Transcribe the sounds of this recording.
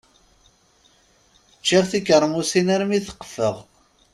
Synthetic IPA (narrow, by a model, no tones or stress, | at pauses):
t͡ʃːiʁθikəɾˤːmusinæɾmiθə̥qːə̥fəʁ